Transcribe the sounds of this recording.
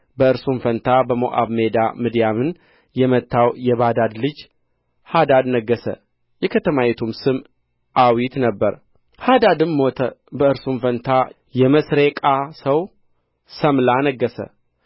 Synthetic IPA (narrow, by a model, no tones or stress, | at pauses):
bəɨɾsumfənt̪ʰabəmo̰ʔa̰βme̞d̪a̰mɨd̪ijamɨn | jɛmət̪ʰːawjɛβad̪ad̪lɨd͡ʒ | had̪ad̪nəɡːəsə̰ | jɛkʰət̪ʰəmajɛt̪ʰumsɨm | ʔawit̪nəbːəɾ | had̪ad̪ɨnmot̪ʰəbəɨɾsumfənt̪ʰa | jɛməsɾekʼasəw | səmlanəɡːəsə̰